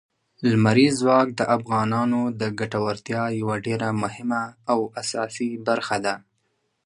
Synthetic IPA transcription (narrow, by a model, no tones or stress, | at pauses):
lmaɾizwɑk̚d̪əʔafɣɑnɑnod̪əɡaʈawaɾt̪jɑjawaɖeɾamʊhɪmaːwasɑsibaɾxad̪a